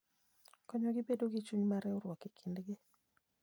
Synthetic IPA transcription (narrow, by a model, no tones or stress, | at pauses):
kɔɲɔɡɪbedoɡit͡ʃuɲmaɾɛɔɾwɔkikʰindɡɪ